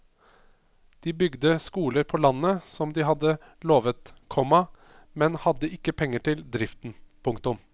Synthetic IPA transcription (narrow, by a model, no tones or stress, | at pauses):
d̪̥iːbʏɡd̪əskuːləɾpʰɔlɑnːəsɔmd̪ɪɦɑd̪ːə | loːʋət̪kʰɔmɑ | mɛnhɑd̪ːəɪkːəpʰɛŋːəʈʰɪld̪ɾɪft̪n̩pʰʊŋkt̪ʊm